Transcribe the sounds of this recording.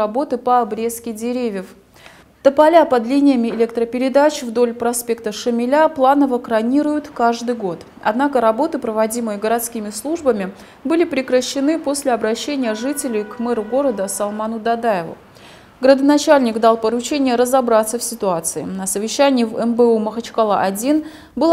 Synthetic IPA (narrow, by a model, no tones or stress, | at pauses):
ɐbo̞t̪ɨpəːbɾʲeskʲɪdʲɪɾʲevʲjəf | t̪əpɐlʲapɐd̪lʲinʲɪjəmʲɪɪlʲek̚t̪ɾəpʲɪɾʲɪd̪at͡ɕvd̪o̞lʲpɾɐspʲe̞k̚t̪əʂɨmʲɪlʲaplˠanəvəkɾɐnʲiɾʊjʊt̪kaʐd̪ɨjɡo̞t̪ | ɐ̰d̪nakəɾɐbo̞t̪ɨpɾəvɐdʲimɨjəɡəɾɐt̪skʲimʲɪslˠuʐbəmʲɪ | bɨlʲɪpɾʲɪkɾəɕːɪnɨpo̞sʲlʲɪɐbɾɐɕːenʲɪjəʐɨtʲɪlʲɪjkmɛɾʊɡo̞ɾəd̪əsɐlˠmanʊd̪ɐd̪ajɪvʊ̰ | ɡɾəd̪ənat͡ɕalʲnʲɪkd̪alˠpəɾʊt͡ɕenʲɪjəɾəzabɾat̪səfsʲɪt̪ʊat̪sɨɪ̰nəsəvʲɪɕːænʲɪjɪvɛmbəuməxət͡ɕkalˠa̰ʔɐdʲin | bɨlˠ